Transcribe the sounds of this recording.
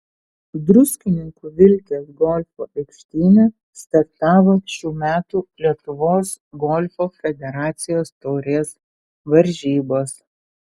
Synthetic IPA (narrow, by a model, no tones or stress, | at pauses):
d̪ɾʊsʲkʲɪnʲɪŋkuːʋʲɪlʲkʲeːsɡɔlʲfo̰ːʔɛkʲʃʲt̪ʲiːnʲɛ | st̪ɐɾt̪ɑːʋoːʃʲuːmʲæːt̪uːlʲiɛt̪ʊʋoːs | ɡɔːlʲfoːfʲɛd̪ʲɛɾɑːt̪sʲɪjoːst̪oːɾʲeːs | ʋɐɾʲʒʲiːboːs